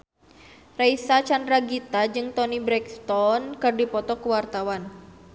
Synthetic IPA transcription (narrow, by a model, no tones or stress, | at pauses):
raisat͡ʃandɾaɡit̪ad͡ʒɨŋt̪ɔnibɾɛkst̪ɔnkɨrdipɔt̪ɔkəwart̪awan